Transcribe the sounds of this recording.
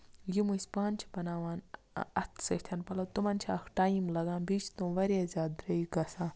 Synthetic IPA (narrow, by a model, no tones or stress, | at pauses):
jimusʲpaːnʲt͡ʃʰpɐnaːʋaːn | ɐt̪ʰsɐt̪ʲʰɐnpɐlɐwt̪umɐnt͡ʃʰɐkʰʈaːimlɐɡãːnbiːt͡ʃʰt̪ũːʋɐɾazʲaːd̪ɾɐiɡɐsãː